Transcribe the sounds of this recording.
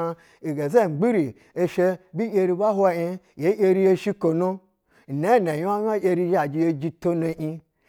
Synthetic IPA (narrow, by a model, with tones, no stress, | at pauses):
i˨ɡe˨ze˦˨ŋ͡m̩˨ɡ͡bi˦ɾi˨ | e˧ʃe˧bi˦je˧ɾi˧ba˦ɦwa˧i˧je˦je˦ɾi˧˦je˧ʃi˦ko˨no˦˨ | ne˦˨ne˨ja˦ɲ˦a˦ʔe˧ɾi˧˦ʒa˨d͡ʒi˧je˧d͡ʒi˧to˦no˧ʔi˧